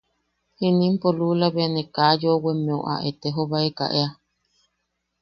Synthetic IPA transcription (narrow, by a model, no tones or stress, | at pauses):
hinĩmpolulaβeanekaːjowemẽoʔa̰ʔet̪eɦoβaeka̰ʔea